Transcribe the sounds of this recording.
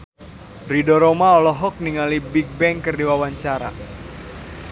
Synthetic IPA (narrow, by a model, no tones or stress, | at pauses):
ridoɾomaɔlɔɦɔk̚niŋalibik̚bɛŋkərdiwawaɲt͡ʃaɾa̰